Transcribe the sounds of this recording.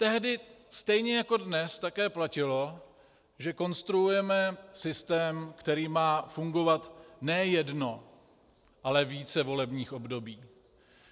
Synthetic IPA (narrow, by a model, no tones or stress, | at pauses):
t̪ɛɦdɪst̪ɛjɲɛjako̞dnɛst̪akɛːplacɪlo̞ | ʒɛko̞nst̪ɾuujɛmɛsɪst̪ɛːmkt̪ɛɾiːmaːfuŋɡo̞vat̪nɛjɛdno̞ | ʔalɛviːt͡sɛvo̞lɛbɲiːxʔo̞bdo̞biː